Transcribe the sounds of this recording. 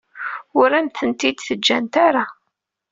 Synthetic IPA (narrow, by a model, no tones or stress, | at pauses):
ʊɾæmθənt̪id̪θəd͡ʒːænt̪aɾa